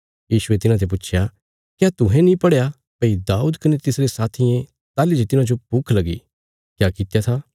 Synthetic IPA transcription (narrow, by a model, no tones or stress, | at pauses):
jiːʃʊet̪ɪnãt̪ʰep̬ʊt͡ʃʰja | kjaːt̪ʊɦẽnĩpɐɽeja | pɐid̪aːuːd̪kɐnet̪ɪsɾesaːt̪ʰiẽ | t̪aːlid͡ʒet̪ɪnãd͡ʒopukʰlɐɡḭ | kjaːkɪt̪jat̪ʰa